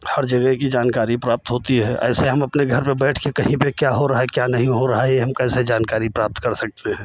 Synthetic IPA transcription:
hɐɾd͡ʒɐɡəɦkid͡ʒaːnkaːɾipɾaːp̚t̪ɦoːt̪iɦɛːʔɛ̰ːseɦɐmɐpneɡʱɐɾpebɛːʈʰkekɐɦĩpekjaːɦoɾɐɦaɛkjaːnɐɦĩɦoɾɐɦaɛɦɐmkɛːsed͡ʒaːnkaːɾipɾaːp̚t̪kɐɾsɐk̚t̪eɦɛ̃ː

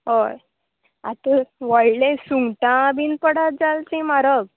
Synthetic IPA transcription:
ɦoj | a̰t̪əʋəjlesuŋɡʈãbinpəɽat̪̚d͡zalt͡sĩmaɾəb̚

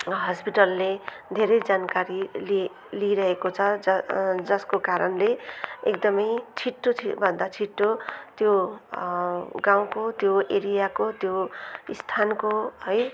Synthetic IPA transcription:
ɦʌspiʈʌlːed̪ʱeɾʌjd͡zankaɾili | liɾʌɦekot͡sʰʌʌd͡zʌskokaɾʌnleekd̪ʌmʌjt͡sʰiʈːot͡sʰibʱʌnd̪at͡sʰiʈːot̪jo | ɡãw̃kot̪joeɾijakot̪joist̪ʰankoɦʌj

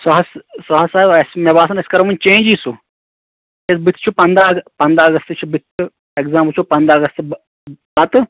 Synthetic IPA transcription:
sɐɦɐssɐɦɐsaːibɐsmebaːsɐneskɐɾɐmunt͡ʃẽːd͡ʒiːsu | esbit̪ʰt͡ʃʰupɐnd̪ɾapɐnd̪ɾaːɡɐst̪t͡ʃʰubit̪ʰːɨ | eɡzaːmpəlt͡ʃʰupɐnd̪aːɡɐst̪b | bɐt̪ɨ

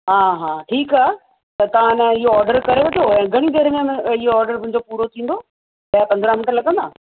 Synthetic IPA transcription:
ɦaːɦaːʈʰiːkaː | t̪ɐt̪ɐʋ̤ãnɐɪɦoɔːɾɖəɾkɐɾeʋɐt̪ʰoɛ̃ːɡʱɐɽ̃id̪eːɾmẽɪɦoɔːɾɖəɾmʊ̃ɦɪ̃ɲ̆d͡ʑopuːɾot̪ʰĩːnd̪o | ɐjapɐnd̪ɾãmɪnʈlɐɡə̃nd̪aː

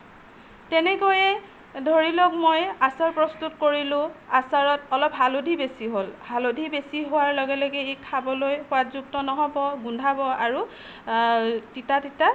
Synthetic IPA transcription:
tɛnɛkojɛ | dʱoɹilɔk̚mojasaɹpɹɔstutkoɹilʊ̃asaɹɔtɔlɔp̚ɦalodʱibesiɦolhalodʱibesiɦowaɹlɔɡɛloɡɛikkʰabɔlojxʊatzuk̚tɔnɔɦɔbɔɡundʱabɔaɹu | titatita

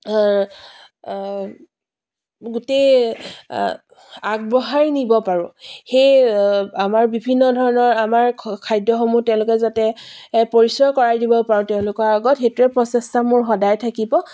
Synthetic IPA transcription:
ɡʊtej | aɡ̚bɔɦaɹnibɔpaɹʊ̃xejamaɹbibʱinːɔdʱɔɹɔnɔɹamaɹkʰajdɔxomutɛʊ̃lʊkɛzatɛpoɹisɔɹkɔɹajdibɔpaɹʊ̃tɛʊ̃lʊkɔɹaɡɔtxetɹɛpɹɔsɛstamʊɹxɔdajtʰakibɔ

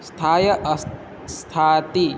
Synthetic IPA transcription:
st̪ʰaːjɐʔɐs | st̪ʰaːt̪i

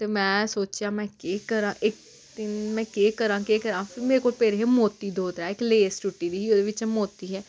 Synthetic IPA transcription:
t̪eːmɛ̃ːsoːt͡ʃjãːmɛ̃ːkeːkəɾãːʔɪk̚ | t̪ɪnmɛ̃ːkeːkəɾãːkeːkəɾãːpʰɪɾmeːɾekoːlpeːɾeɦeːmoːt̪ːiːd̪oːt̪aːɪkleːst͡ʃʊʈːiːd̪iːɦiːoːd̪eːʋɪt͡ʃɛmoːt̪iːɦɛː

